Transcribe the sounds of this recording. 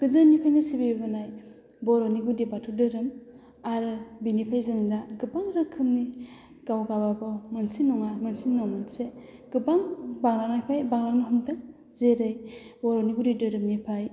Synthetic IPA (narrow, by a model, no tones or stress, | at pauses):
ɡ̥ɯdɯnipʰajnisibibbanaj | bɔɾɔniɡudibatʰudɯɾɯm | aɾɯbinipʰajzɯŋidaɡɯbaŋɾɯkʰɯmni | ɡawɡababɔwmansinːɔŋamansinːawmanse | ɡ̥ɯbaŋbaŋlanajpʰajbaŋlanɔɦɯmdɯ | zeɾɯjbɔɾɔniɡudidɯɾɯmnipʰaj